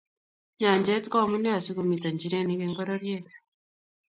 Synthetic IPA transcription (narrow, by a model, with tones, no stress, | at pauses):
ɲaː˨ɲɟe˦tko˦˨mu˦ne˦a˨si˦ɡu˨mi˨ta˨ɲɟi˨ɾe˦ni˦ɡeŋɡoɾoɾjeːtu̥